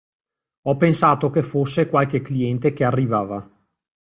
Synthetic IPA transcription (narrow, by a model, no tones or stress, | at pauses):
ɔpːensaːt̪okefosːekwalk̟ekliɛnt̪ek̟earːivaːva